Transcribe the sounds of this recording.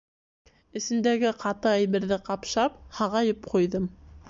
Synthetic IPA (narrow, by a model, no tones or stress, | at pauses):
ɘ̆sɘ̆nd̪æɡɘqʰɑt̪ɤæjβɘ̆ɾðɘqɑpʃɑp̚hɑʁɑjɤp̚qujðɤm